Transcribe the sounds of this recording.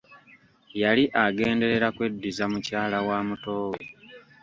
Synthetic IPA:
jaliʔaɡe̞ːnde̞ɾe̞ɾakwe̞dːizamucaːlawaːmuto̞ːwe

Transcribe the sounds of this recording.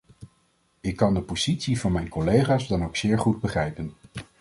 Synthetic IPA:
ɪkːɑndəpoz̥itsivɑnmɛjnkɔlejχaːzdɑnowksɪːɹχud̚bəχrɛjpən

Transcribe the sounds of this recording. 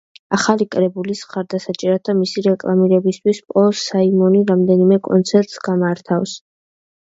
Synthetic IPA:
aχalikʼɾɛbulisχaɾd̪asat͡ʃʼɛɾat̪̚ʰamisiɾɛkʼlˠamiɾɛbist̪ʰwispʼɔsaimɔniɾamd̪ɛnimɛkʼɔ̰nt̪sʰɛɾt̪ʼsɡamaɾt̪ʰafs

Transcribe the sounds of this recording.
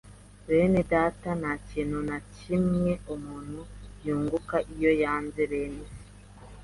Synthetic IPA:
βe̞nedaːtanacinunacimŋe̞umuːn̥hujuːŋɡukaʔijo̞jaːnzeβeːne

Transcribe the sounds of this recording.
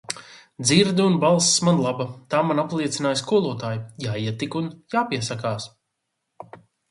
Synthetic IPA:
d̪ziɾd̪iunbalˠssmanlˠabat̪aːmanaplˠiɛt̪sinaːjskuɔlˠuɔt̪aːjujaːiɛt̪ikunjaːpiɛsakaːs

